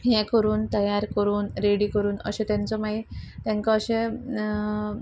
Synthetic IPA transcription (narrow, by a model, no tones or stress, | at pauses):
ɦjɛ̃kəɾuːnt̪əjaɾkəɾuːnɾeɽiːkəɾuːnə̰ɕɛ̃t̪jãnt͡sɔmait̪jɛ̃ŋkaːɕẽ